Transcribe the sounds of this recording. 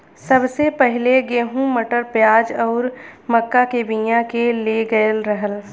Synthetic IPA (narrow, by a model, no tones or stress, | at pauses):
sɐbsepɛɦɪleɡeːɦũməʈəɾpjaːd͡ʒɔːɾməkːakebĩjãkeleɡəlɾɐɦəl